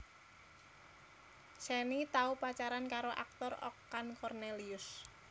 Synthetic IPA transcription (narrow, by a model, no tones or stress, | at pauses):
sɛnit̪aupat͡ʃaɾankaɾoʔa̰k̚t̪ɔrɔ̰kːankɔrneliʊs